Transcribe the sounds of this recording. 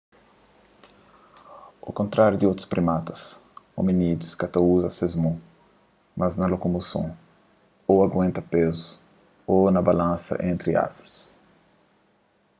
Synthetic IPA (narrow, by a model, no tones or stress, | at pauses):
o̰kõnt̪ɾaɾjud̪iot̪u̥spɾimat̪ɐ̥so̰minid̪uskat̪ɐuzɐsezmõ | mɐznɐlokomosõ̰ | oaɡwẽnt̪ɐpezu̥ | onɐbalãnsɐ̰ʔẽnt̪ɾia̰ɾvoɾis